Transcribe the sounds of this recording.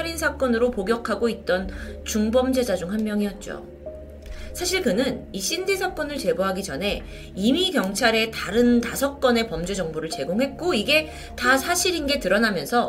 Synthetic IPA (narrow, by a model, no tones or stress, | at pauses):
aɾinsʰak͈ʌnɯɾopoɡjʌkʰaɡoit̚t͈ʌnt͡ɕuŋbʌmd͡ʑe̞d͡ʑad͡ʑuŋɦwanmjʌŋiʌt̚t͡ɕ͈o̰ | sʰaɕʰiɭkɯnɯniɕ͈indesʰak͈ʌnɯɭt͡ɕe̞boɦaɡid͡ʑʌnɦe̞ | imikjʌŋt͡ɕʰaɾe̞taɾɯntasʰʌk̚k͈ʌne̞pʌmd͡ʑud͡ʑʌŋbuɾɯɭt͡ɕe̞ɡoŋɦe̞t̚k͈oiɡe̞ | tasʰaɕʰiɾinɡe̞tɯɾʌnamjʌnsʰʌ